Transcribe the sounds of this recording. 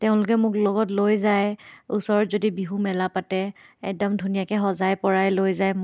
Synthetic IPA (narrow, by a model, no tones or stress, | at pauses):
tɛʊ̃lʊkɛmʊklɔɡɔtlojzajusɔɹɔtzodibiɦumɛlapatɛɛ̰k̚dɔmdʱunijakɛxɔzajpɔɹajlojzajm